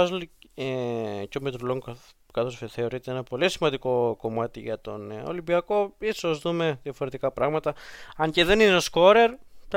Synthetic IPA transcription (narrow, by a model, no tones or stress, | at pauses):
ɐzlecomit̪ɾuloŋ | kɐθo̞sfeθe̞oɾit̪eenɐpo̞lisimɐnd̪iko̞ko̞mɐt̪iʝɐt̪o̞̰no̰limbiɐko̞isozðume̞ðjɐfo̞ɾe̞t̪ikɐpɾɐɣmɐt̪ɐɐɲceðe̞nineosko̞ɾe̞ɾt̪